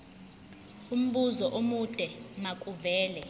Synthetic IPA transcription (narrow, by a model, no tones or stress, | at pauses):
um̩ɓuzɔʔomud̥ʼʱɛmakʼuvɛːlɛ